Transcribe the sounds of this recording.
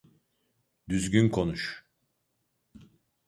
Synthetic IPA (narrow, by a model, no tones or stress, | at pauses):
d̪yzɟʲynkʰo̞nuʃ